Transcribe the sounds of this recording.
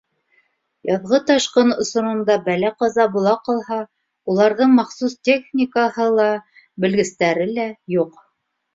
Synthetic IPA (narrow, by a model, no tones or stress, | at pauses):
jɑðʁɤt̪ɑʃqɤnŏsŏnŏnd̪ɑbælæqɑzɑbulˠɑqɑlˠhɑ | ulˠɑɾðɤɴmɑχsustʲeχnʲikəhɤlˠɑ | bɘ̆lɡɘ̆st̪æɾɘlæjuq